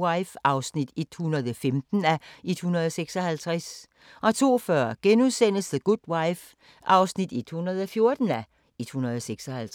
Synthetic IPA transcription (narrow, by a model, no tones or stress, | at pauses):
aɪfɑ̈ʊsnid̥e̝d̥hunɐð̞̩ˠɒfemd̥n̩æʔe̝d̥hunɐð̞̩ˠɒ̽seɡ̥sɒ̽hælt͡sʰʁɛs | ʔɒ̽t͡sʰo̝̰ːfɶɐ̰ɡ̥enuðˠsen̰əsðəɡ̥ud̥waɪf | ʔɑ̈ʊsnid̥e̝d̥hunɐð̞ˠɒ̽fjo̝ɐd̥n̩æ | e̝d̥hunɐðˠɒseɡ̥sɒ̽hælʰ